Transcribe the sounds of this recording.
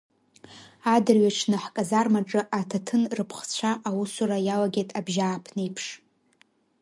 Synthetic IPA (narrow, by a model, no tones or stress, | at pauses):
adɨrɥaʈ͡ʂʰnɨħkʼazarmaʈ͡ʂʼɨʔatʰatʰɨnrɨpʰχt͡ɕʷʰaʔawusuɾajalaɡʲejtʼabʒaːpʰnejpʰʂ